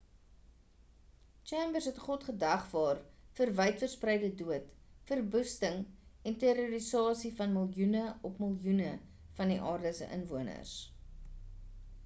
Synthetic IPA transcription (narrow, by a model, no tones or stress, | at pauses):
t͡ʃɛmbərsɦɛtχɔtχədæχvɑːrfərvəjtfərsprɛjdəduətfərbustəŋɛnteɾuɾisɑːsifɐnməlˠjunəɔpməlˠjunə | fɐndiʔɑːrdəsə̰ʔə̰nvuənə̰rs